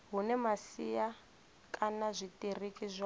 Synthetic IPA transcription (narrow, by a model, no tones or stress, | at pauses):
ɦunɛmasija | kʼanazʷitirikʼizʷa